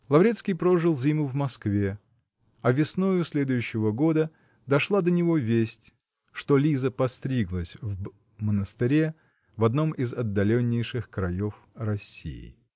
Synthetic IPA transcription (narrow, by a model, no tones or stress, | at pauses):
lˠɐvɾʲet̪skʲijpɾo̞ʐɨlˠzʲimʊvmɐskvʲe | ɐvʲɪsnujʊsʲlʲe̞d̪ʊjʉɕːɪvəɡo̞d̪ə | d̪ɐʂlˠad̪ənʲɪvo̞vʲesʲtʲ | ʂt̪o̞lʲizəpɐst̪ɾʲiɡlˠəsʲv | mənəst̪ɪɾʲe | vɐd̪no̞mɪzɐd̪ːɐlʲonʲːɪjʂɨxkɾɐjo̞f | rɐsʲḭjɪ̰